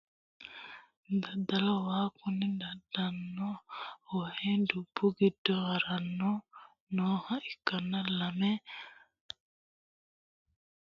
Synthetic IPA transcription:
d̪ad̪alawaːkunːid̪adanːɔohedub̥ːuɡidɔaɾanːɔ | nɔːhaikːanːalamɛ

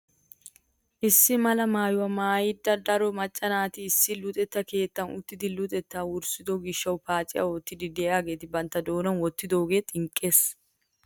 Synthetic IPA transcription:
ʔɪsːɪmɐlɐmaːjʊwɐmaːjɪd̪ɐɾd̪ɐɾɔmɐt͡ʃʼːɐnaːt̪ɪːsːɪlʊt̪ʼɛt̪ːɐke̞ːt̪ːɐnʊt̪ːɪd̪ɪlʊt̪ʼɛt̪ːawʊɾsɪd̪ɔɡɪʃːɐwpaːt͡ʃʼɪjʔɐ̰oːt̪ːɪd̪ɪd̪eːaːɡe̞ːt̪ɪbɐnt̪ːɐd̪o̞ːnɐnwɔt̪ːɪd̪o̞ːɡe̞ːt̪ʼɪŋkʼːe̞ːs

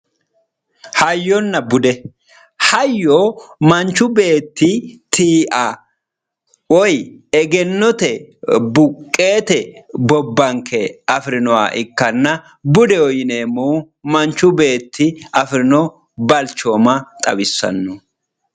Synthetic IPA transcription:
hɐjːɔnːɐbʊd̪ɛ | hɐjːoːmɐnt͡ʃːʊbe̞ːt̪ːɪt̪iːʔɐ | wɔjɛɡɛnːɔt̪ɛbʊkʼːe̞ːt̪ɛbɔbːɐŋkʰɛɐfɾɪnɔwa̰ːʔɪkːɐnːɐ | bʊd̪ɛɔjɪne̞ːmːoː | mɐnt͡ʃːʊbe̞ːt̪ʰːɪɐfɾɪnɔ | bɐlt͡ʃːoːmɐt̪ʼɐbɪsːɐ̰nːɔ

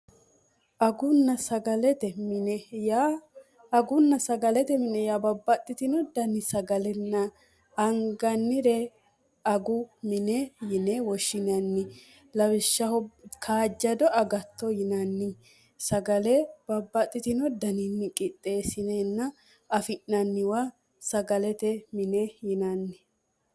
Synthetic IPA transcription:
ʔɐɡʊnːɐsɐɡɐlɛt̪ɛmɪnɛja | ɐɡʊnːɐsɐɡɐlɛt̪ɛmɪnɛjabɐbːɐt̪ʼːɪt̪ɪnɔd̪ɐnɪsɐɡɐlɛnːɐ | ɐŋɡɐnːɪɾɛ | ɐɡʊmɪnɛjɪnɛwɔʃɪnɐnːɪ | lɐwɪʃːɐhɔkʰaːd͡ʒːɐd̪ɔʔɐɡɐt̪ːɔjɪnɐnːɪ | sɐɡɐlɛb̥ɐbːɐt̪ʼːɪt̪ɪnɔd̪ɐnɪnːɪkʼɪt̪ʼːe̞ːsɪnɛnːɐ | ɐfɪʔːɐnːɪwa | sɐɡɐlɛt̪ɛmɪnɛjɪnɐnːɪ

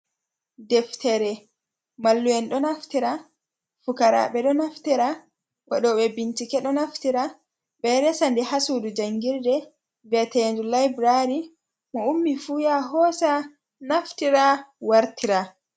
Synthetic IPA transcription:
dɛftɛɾɛ | malːuwɛnɗɔnaftiɾa | fukaɾa̰ɓɛɗɔnaftiɾa | wa̰ɗɔɓɛbintikɛɗɔnaftiɾa | ɓɛɾɛsandihasudud͡ʒaŋɡiɾdɛ | vɛtɛnd͡ʒulajbɾaɾi | mɔumːifujaɦɔːsa | naftiɾawaɾtiɾa

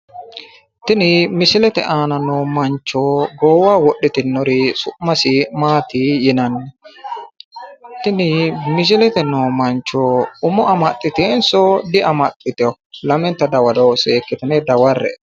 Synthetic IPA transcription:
t̪ɪnɪmɪsɪlɛt̪ɛ̰ʔaːnɐnoːmɐnt͡ʃːoːɡoːwawɔɗːɪt̪ɪnːɔɾɪsʊʔmɐsɪmaːt̪ijɪnɐnːɛ | t̪ɪnɪmɪs̬ɪlɛt̪ɛnoːmɐnt͡ʃːoːʊmɔʔɐmɐt̪ʼːɪt̪eːnsɔd̪ɪɐmɐt̪ʼːɪt̪ɛɔlɐmɛnt̪ːɐd̪ɐwɐd̪oseːkːɪt̪ɪnɛd̪ɐwɐrːɛ̰

